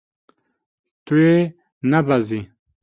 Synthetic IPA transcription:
t̪ue | nɐbɐzi

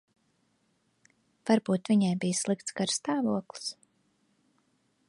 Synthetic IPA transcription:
v̥aɾbuːt̪vʲiɲajbijslˠik̚t̪skaɾst̪aːvuɔklˠi̥s

